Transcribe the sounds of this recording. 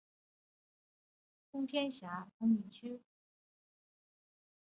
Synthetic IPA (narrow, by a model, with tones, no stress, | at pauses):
kʊ˥ŋt̪ʰjɛ˥nɕja˧˥kʊ˧˥ŋmi˨˥nt͡ɕʰy˥